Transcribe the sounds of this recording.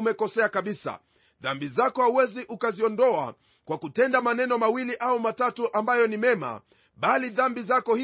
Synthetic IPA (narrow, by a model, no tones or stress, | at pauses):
umɛkɔsɛakaɓisa̰ | ðambizakɔhauwɛziʔukaziɔndɔa̰ | kwakutɛndamanɛnɔmawiliʔaumatatuʔambajɔnimɛma̰ | ɓaliðambizakɔh